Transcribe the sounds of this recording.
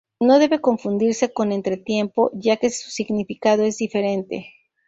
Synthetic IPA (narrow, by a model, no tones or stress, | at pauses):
no̞ðe̞βe̞ko̞ɱfund̪iɾse̞ko̞ne̞nt̪ɾe̞t̪jempo̞̰ʝake̞su̥siɣnifikað̞o̞e̞zðife̞ɾe̞nt̪e̞̰